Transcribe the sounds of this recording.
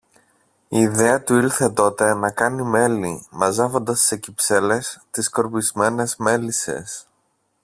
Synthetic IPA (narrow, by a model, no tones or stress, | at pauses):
iːðe̞ɐt̪uiɾθe̞t̪o̞t̪e̞nɐkɐnime̞limɐzɐvo̞nd̪ɐsːe̞cipse̞le̞st̪isko̞ɾpizme̞ne̞zme̞lise̞̰s